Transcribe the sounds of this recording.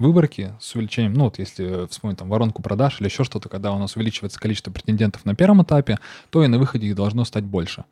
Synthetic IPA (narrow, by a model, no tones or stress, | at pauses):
vɨbərkʲɪsʊvʲɪlʲɪt͡ɕenʲɪjəmnuvo̞t̪jesʲlʲɪfspomʲnʲɪt̪ʲamvɐɾo̞nkʊpɾɐd̪aʂilʲɪɪɕːo̞ʂt̪o̞t̪ə̥kɐɡ̚d̪aʊnasʊvʲɪlʲit͡ɕɪvəjɪt̪sə̥kɐlit͡ɕɪst̪vəpɾʲɪ̥tʲɪnʲdʲent̪ə̥fnɐpʲe̞ɾvəmɨt̪apʲɪt̪o̞inɐvɨxədʲɪiɣd̪ɐlˠʐno̞st̪atʲbo̞lʲʂɨ